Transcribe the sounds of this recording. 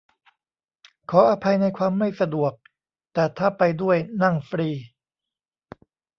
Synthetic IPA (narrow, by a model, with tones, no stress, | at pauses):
kʰɔː˩˦ʔa˧pʰa˧jna˧jkʰwaː˧mːa˥˩jsa˧du˨˩ək̚ | t̪ɛː˨˩t̪ʰaː˥˩pa˧jdu˥˩əjna˥˩ŋfɾiː˧